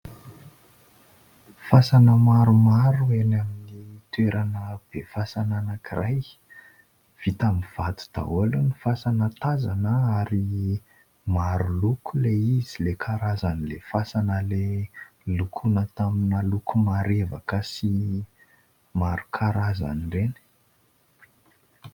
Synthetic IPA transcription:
fasanəmaɾumaɾuenaminit̪weɾʔanəb̥efasananakirʔaj | v̥it̪amiv̥at̪u̥d̪̥a̰olunifasanət̪azanəaɾi | maɾulukʰuleizilekʰaɾazanilefasanəle | lukʰunət̪aminalukumaɾeva̰kəsi | maɾukʰaɾaza̰niɖ͡ʐeni̥

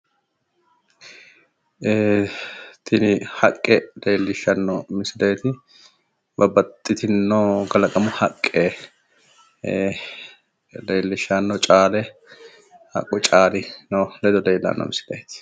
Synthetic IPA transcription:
e | t̪ʰɪnɪhɐkʼːɛleːlːɪʃːɐnːɔmɪsɪlɐjt̪ɪ | bɐbɐt̪ʼːɪt̪ɪnːoɡɐlɐkʼɐmʊhɐkʼːe | leːlːɪʃːanːɔt͡ʃʼaːlɛ | hɐ̰kʼːʊt͡ʃʼaːlɪnolɛd̪ɔd̪eːlːa̰nːɔ̰mɪsɪlɐ̰jt̪ɪ̥

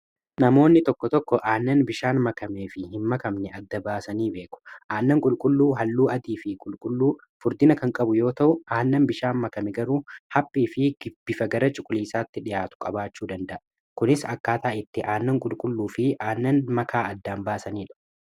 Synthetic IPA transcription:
nɐmo̞ːnːɪt̪ɔkːɔt̪ɔkːɔʔaːnːɐnbɪʃaːnmɐkɐmeːfɪhɪnmɐkɐmnɛɐd̪ːɐbaːsɐniːbe̞ːkʼʊ̥ʔaːnːɐŋkʼʊlkʼʊlːuːɦɐlːuːʔɐd̪iːfɪkʼʊlkʼʊlːuː | fʊɾd̪ɪnɐkɐŋkʼɐbʊjo̞ːt̪ɐʔʊʔaːnːɐnbɪʃaːnmɐkɐmɛɡɐɾuːhɐpʼːiːfɪɡɪb̥ːɪfɐɡɐɾɐt͡ʃʼʊkʼʊliːsaːt̪ːɪᶑɪjaːt̪ʊ̥kʼɐbaːt͡ʃːuːd̪ɐnd̪ɐʔɐ | kʊnɪsɐkːaːt̪aːʔɪt̪ːɪʔaːnːɐŋkʼʊlkʼʊlːuːfɪʔaːnːɐnmɐkʰaːɐd̪ːaːnbaːsɐniːᶑɐ̥

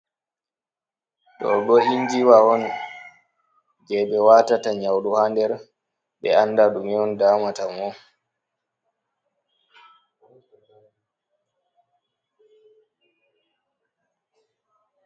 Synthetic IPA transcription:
ɗɔ̰ɡɔʔind͡ʒiwawɔn | d͡ʒɛɓɛwaːtataɲawɗuhandɛɾ | ɓɛ̰anːdaɗumiɔndaːmatamɔ

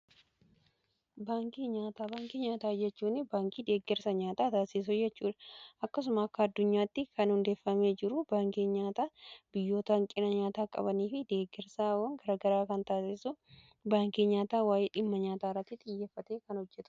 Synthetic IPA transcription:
baːŋkiɲaːt̪aːbaːŋkiɲaːt̪aːd͡ʒɛt͡ʃːuːnːɪbaːŋkiːd̪e̞ːɡːɛɾsɐɲaːt̪aːt̪aːsɪs̬ʊd͡ʒɛt͡ʃːuːᶑɐʔɐkːɐs̬ʊmɐːkːɐːd̪ːʊɲːaːt̪ːɪkɐnhʊnd̪eːfːɐmeːd͡ʒɪɾʊbaːŋkeːɲaːt̪aːbɪjːo̞ːt̪ɐŋkʼɪnɐɲaːt̪aːkʼɐ̰bɐniːfɪd̪e̞ːɡːɛɾsaːwɐŋɡɐɾaːɡɐɾaːkɐnt̪aːsɪsʊ | baːŋkiːɲaːt̪aːwaːjeːᶑɪmːɐɲaːt̪aːɪrːɐt̪ːɪt̪ʼɪjːeːfːɐt̪eːkɐnhɔd͡ʒːɛt̪ʊ̥

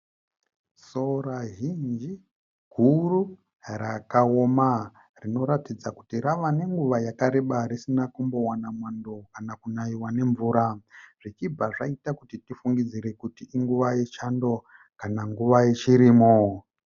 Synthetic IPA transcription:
so̞raɦind͡ʒi | ɡ̥ʱuru | rakaoma | rino̞ɾatid͡zaku̥tiɾaʋane̞ŋɡuʋajakaɾeɓaɾisinakumbo̞wanamwando̞kanakunaiwane̞ɱvuːɾaʐ̥it͡ʃib͡vaʐaitakutitifuŋɡid͡ziɾe̞kutiʔiŋɡuʋajet͡ʃando̞ | kanaŋɡuʋajet͡ʃiɾiːmo

